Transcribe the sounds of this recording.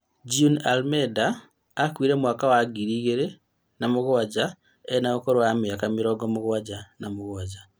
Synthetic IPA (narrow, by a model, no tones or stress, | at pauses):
d͡ʒiunalmedaː | kwiːɾeːmwaːkawaɡiɾiːɣeɾe | namuɣuwad͡ʒa | enaokoɾowamijakamiɾoɡomuɣuwad͡ʒanamuɣuwaɟa